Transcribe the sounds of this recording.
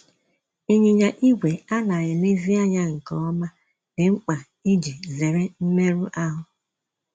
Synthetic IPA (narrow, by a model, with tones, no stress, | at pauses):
i˦ɲi˨ɲa˨ʔi˦ɡʷe˨a˦la˨ɣɪ˨le˦zi˦a˦ɲa˦ŋ̩˨kɔ˨˦ɔ˦ma˦ | dɪ˨ŋ͡m̩˦k͡pa˨ | i˦d͡ʒi˨ze˨ɾɪ˦m̩˦me˦ɾu˦ʔa˦ɦʊ˦